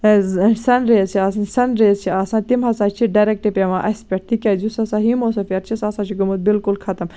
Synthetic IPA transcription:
sɐnɾeːzt͡ʃʰiɐssɐnɾeːzt͡ʃʰiɐsãːt̪imɦɐsaːt͡ʃʰiɖɐɾek̚ʈepʲeʋãːʔɐspʲeʈ̚t̪ʰikʲɐːzusɐsaɦimoːsɐfiɐɾt͡ʃʰisɐsãːt͡ʃʰiɡɐmut̪̚bɪlkʊlkʰɐt̪ɐm

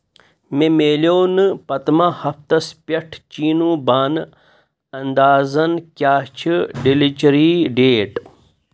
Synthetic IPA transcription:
memeːljoːnɨpɐt̪mɐhɐft̪ɐspɐʈʰt͡ʃiːnũːbaːn | ɐnd̪aːzɐnkʲjaːt͡ʃʰiɖilit͡ʃɾiɖeːʈ

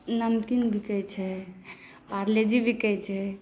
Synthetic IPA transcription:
nəmkinbʱikəjt͡ʃʰɛ | paɾled͡ʒibʱikəjt͡ʃʰɛ

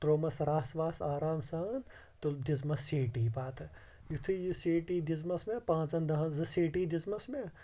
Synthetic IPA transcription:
ʈɾoːmɐsɾaːsʋaːsaːɾaːmsaːn | t̪ud̪izmɐseːʈiːpaːt̪ʰ | jut̪ʰujiseːʈiːd̪izmɐsmẽpãːɐnd̪ɐɦɐzɨseːʈid̪izmɐsmẽ

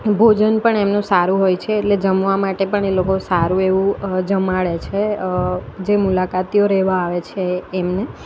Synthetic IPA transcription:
bʱod͡ʒənpəɳemnũsaɾũɦojt͡ʃʰeːʈled͡ʒəmʋamaʈepəɳelokosaɾũeʋũd͡ʒəmaɭet͡ʃʰe | d͡ʒemulakat̪ioɾɛʋaːʋet͡ʃʰeːmne

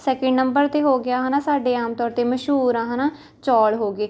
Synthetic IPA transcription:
sɛːkə̃ɳɖnəmbəɾt̪eːɦoːɡjaːɦanaːsaːɖeːaːmt̪ɔːɾt̪eːməʃɦuːɾãːɦaːnãː | t͡ʃɔːlɦoːɡeː

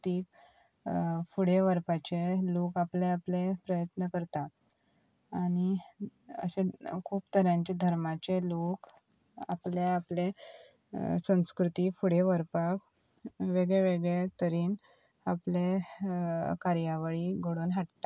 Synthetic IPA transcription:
t̪iːk | fuɽeʋəɾpat͡ɕelokapleaplepɾəjət̪nəkəɾt̪a | aɽ̃i | ə̰ɕekʰuːpt̪ʰəɾjãɲt͡ɕed̪ʱəɾmat͡ɕelok | a̰pleaple | sə̃w̃skɾut̪iːfuɽeʋəɾpak | ʋeɡɭeʋeɡɭet̪əɾiːn | aple | kaɾjaʋəɭiɡʱoɽoːnɦaʈt̪a

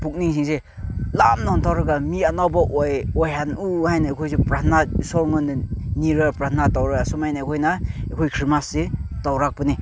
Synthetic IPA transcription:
puk̚niŋs̬iŋs̬e | lamnantʰawɾɯɡamianawbaʔɔjɔjɦanuhajnaekʰojsupɾatʰnaisɔɾŋɯnɯniɾapɾat̪ʰnatawɾɯasumajnaikʰojnaekʰojkʰɾimasːetawɾak̚pɯni

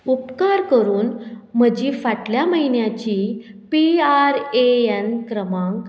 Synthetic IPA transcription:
upkaɾkəɾuːnm̤əd͡ʑiːfaʈljaməɦinjat͡ɕipiaɾeenkɾəmãŋk

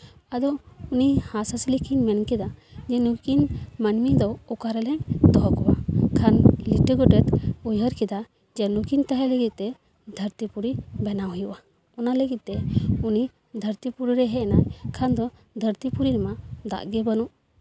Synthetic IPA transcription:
ad̪ɔunihasaslikʰinmɛnkɛd̪ad͡ʒɛnukinmənmid̪ɔɔkaɾɛlɛɲd̪ɔɦɔkɔwakʰanliʈəɡɔʈɛt̪ujɦəɾkɛd̪a | d͡ʒɛnukint̪aɦɛləɡit̪̚t̪ɛ | d̪ʱəɾt̪ipuɾibɛnaɦujuʔa | ɔnaləɡit̪̚t̪ːɛuni | d̪ʱəɾt̪ipuɾiɾɛɦɛnakʰand̪ɔ | d̪ʱəɾt̪ipuɾiɾɛmad̪a̰ʔɡɛbənuʔ

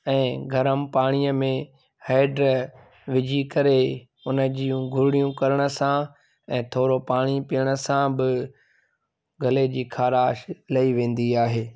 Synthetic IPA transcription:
ɛ̃ːɡʱɐɾəmpaːɽ̃ijəmẽ | haːɪɖɾ | ʋɪd͡ʑʱikɐɾe | ʊnəd͡ʑijũɡʱʊɾɪɽijũkɐɾəɽ̃ə̆sã | ɛ̃ːt̪ʰoːɾopaːɽ̃ipijəɽ̃ə̆sãbɪ | ɡʱɐled͡ʑiːkʰaːɾaːʃlɐiʋẽːn̆d̪iaːɦeː

